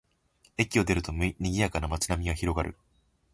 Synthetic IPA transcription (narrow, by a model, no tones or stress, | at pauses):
e̞kʲio̞d̪e̞ɾɯ̟t̪o̞mɲʲiɡʲijakanamat͡ɕɨnamʲiɡaçiɾo̞ɡaɾɯ̟̰